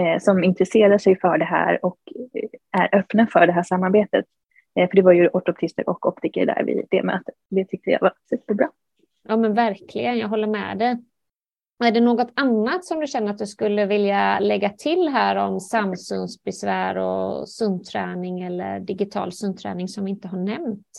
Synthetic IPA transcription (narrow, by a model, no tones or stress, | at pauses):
sɔmɪnt̪ɾɛseːɾaʂɛjfœɖɛɦæ̰ːɾɔk | æɾʔœpnafœɖɛɦæːʂamːaɾbeːt̪ət̪̚ | fœɖɛvaɾjɵʔɔʈ̪ɔp̚t̪ʰɪst̪ə̰ɾʔɔ̰kɔp̚t̪ʰɪkə̰ɖ̪æ̰ːɾvɪ̰d̪̥ɛ̰mɛ̰at̪ː | d̪ɛt̪ʰʏk̚t̪əja̰vaɾsʉpːəbɾɑː | jɑːmɛnvæɾkʰlɪɡənjɑːɡɦɔlːəɾmɛ̰d̪ɛ | æɖɛnoːɡɔt̪anːat̪sɔmd̪ɵɕɛnːəɾat̪̚d̪ɵskɵlːəvɪljalɛɡːat̪ʰɪlːɦæːɾɔmsamːsʏnsbɛsvæːɾɔ̰sɵnt̪ʰɾɛːnɪŋɛlːə̰ɖɪɡɪt̪ʰɑ̰ːlsɵnt̪ʰɾɛ̰ːnɪŋsɔmvɪɪnt̪əɦaɳɛmt̪